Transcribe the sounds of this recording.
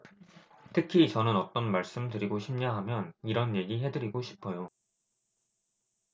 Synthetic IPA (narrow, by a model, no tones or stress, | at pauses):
tʰɯkʰit͡ɕʌnɯnʌt͈ʌnmaɭs͈ɯmtɯɾiɡoɕʰimɲaɦamjʌniɾʌnje̞ɡiɦe̞dɯɾiɡoɕʰi̥pʰʌjo